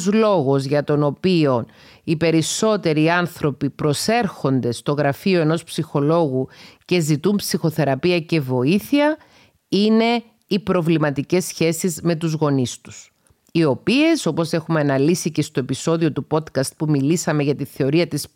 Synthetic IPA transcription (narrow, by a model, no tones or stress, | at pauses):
zlo̞ɣo̞zʝɐt̪o̞no̞pio̞n | ipe̞ɾiso̞t̪e̞ɾiːɐnθɾo̞pipɾo̞se̞ɾxo̞nd̪e̞st̪o̞ɣɾɐfio̞e̞no̞spsixo̞lo̞ɣuce̞zit̪umpsixo̞θe̞ɾɐpiɐce̞vo̞iθiɐ | ine̞ | ipɾo̞vlimɐt̪ice̞sːçe̞sizme̞t̪̬uzɣo̞nist̪u̥s | io̞pie̞so̞po̞se̞xumeɐnɐlisice̞st̪o̞e̞piso̞ðio̞t̪upo̞t̪kɐst̪̚pumilisɐme̞ʝɐt̪iθe̞o̞ɾiɐt̪is